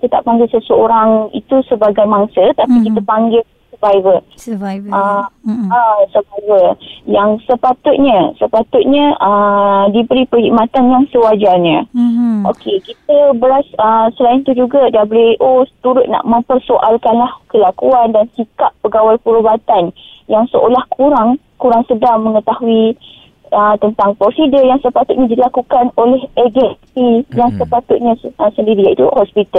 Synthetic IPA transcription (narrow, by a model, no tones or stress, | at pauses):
kit̪ət̪a̰ʔpaŋɡɪlsəsəoɾaŋḭt̪usəbaɡajmaŋsət̪apikit̪əpaŋɡɪl | səvajvə | ə | əsəvajvəjaŋsəpat̪ʊt̪̚ɲə̃səpat̪ʊt̪̚ɲə̃ʔədibəɾipəhik̚mãt̪anjaŋsəwad͡ʒarɲə̃ʔokʰekit̪̚əbəlasəsəlaɪnt̪ud͡ʒuɡadablueʔot̪uɾʊt̪̚na̰ʔmə̃mpərsoʔalkanlahkəlakuandansikapːəɡawalpəɾubat̪anjaŋsəkolahkʰuɾaŋ | kuɾaŋsədaŋmə̃ŋət̪aɦui | ət̪ənt̪aŋpɾosidəjaŋsəpat̪ʊt̪̚ɲãdilakukanolɛhɛɡɛpijaŋsəpat̪ʊt̪̚ɲãəsəndiɾijait̪uʔhɔspit̪al